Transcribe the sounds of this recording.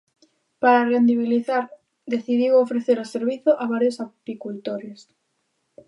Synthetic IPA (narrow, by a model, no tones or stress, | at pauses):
paɾarend̪iβ̞iliθaɾ | d̪eθiðiwofɾeθeɾoseɾβiθoʔaβ̞aɾjosapikult̪oɾjos